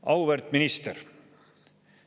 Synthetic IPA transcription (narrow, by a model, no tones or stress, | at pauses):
ɑwvɛɾt̪minist̪əɾ